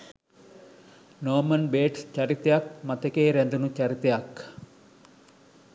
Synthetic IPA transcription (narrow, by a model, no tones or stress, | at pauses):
noːmɐnbeːʈst͡ʃaɾit̪ejak̚mat̪ekeːɾænd̪unut͡ʃaɾit̪ejak